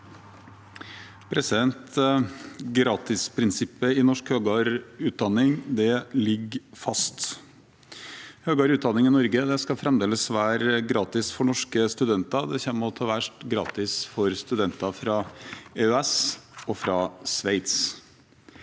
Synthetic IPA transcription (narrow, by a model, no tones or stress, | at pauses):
pʰɾɛsɪd̪ɛnt̪ | ɡɾɑːt̪ɪspʰɾɪnsɪpːəɪnɔʂkhøːɡɑɾʉːt̪̚d̪ɑnːɪŋd̪ɛlɪɡfɑst̪ | høːɡɑːɾʉːt̪̚d̪ɑnːɪŋɪnɔɾɡəd̪ɛskɑfɾɛmd̪eːləsʋæːɾɡɾɑːt̪ɪsfɔɳɔʂkəst̪ʉd̪ɛnt̪ɑd̪ɛçɛmːəɔt̪ʰɑːʋæʂʈɡɾɑ̰ːt̪ɪsfɔɾst̪ʉd̪ɛnt̪ɑfɾɑeøɛsɔfɾɑsʋeɪt̪s